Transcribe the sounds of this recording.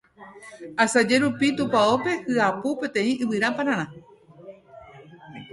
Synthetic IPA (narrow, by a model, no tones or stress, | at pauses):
asad͡ʒe̞ɾupit̪ũpao̞pe̞hɨapupẽ̞t̪ẽ̞ĩʔɨβɨɾapaɾ̃ãɾ̃ã